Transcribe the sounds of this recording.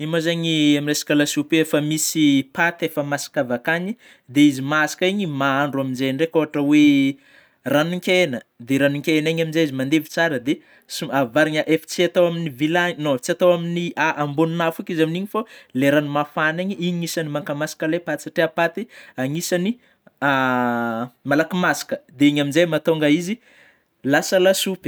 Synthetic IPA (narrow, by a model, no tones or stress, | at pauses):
imozaɲiaminresi̥kalasupeefəmisipat̪efəmasi̥kavakaɲi | d̪eizimasḁkaiɲimaaɳɖ͡ʐuaminzejɳɖ͡ʐekoɦaʈ͡ʂəwe | ranuŋkʲenəd̪eɾanuŋkʲeenaɲaminzeizimand̪evi̥t͡saɾəd̪e | suavaɾiɲəʔefi̥t͡siat̪awaminivilanoi̥t͡siat̪awaminiaʔambonunafukizaminiɲifaleɾanimafaneɲiiɲiɲisanimaŋkamasḁkalepat̪saʈ͡ʂeapat̪iaŋisani | a | malakimasḁkəd̪eiɲaminzajmat̪oŋɡaizi | lasəlasupi̥